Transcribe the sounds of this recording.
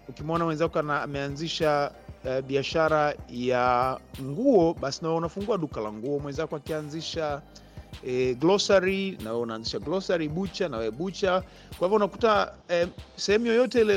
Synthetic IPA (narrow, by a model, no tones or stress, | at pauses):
ukimɔnawɛnzakɔanaːmɛanziʃa | ɓiaʃaɾajaŋɡuɔɓasinawɛunafuŋɡuaɗukalaŋɡuɔmwɛnzakɔakianziʃa | ɛɡlɔsaɾinawɛɛunaːnziʃaɡlɔsaɾiɓut͡ʃanawɛɛɓut͡ʃa | kwaivɔunakutaɛsɛhɛmujɔjɔtɛilɛ